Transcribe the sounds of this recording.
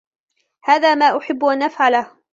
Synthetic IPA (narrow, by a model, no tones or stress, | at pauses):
haːðaːmaːʔʊħɪbːʔanʔafʕalah